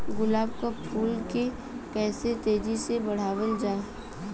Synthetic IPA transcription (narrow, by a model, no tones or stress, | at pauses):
ɡʊlaːbkopʰuːlke | pɛːset̪eːd͡ʒisebɐɽ̤aːʋəld͡ʒaː